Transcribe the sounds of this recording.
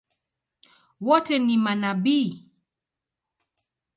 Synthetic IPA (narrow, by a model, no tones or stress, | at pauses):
wɔtɛnimanaɓiː